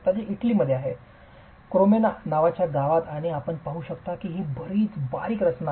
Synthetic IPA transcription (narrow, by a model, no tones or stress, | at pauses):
t̪ad͡ʑeʔiʈliːməd̪ʱjeaɦe | kɾomenanaʋat͡ɕjaɡaʋat̪aɽ̃iapəɳpaɦuːɕəkt̪akiːɦiːbəɾiːt͡sbaɾiːkɾət͡ɕna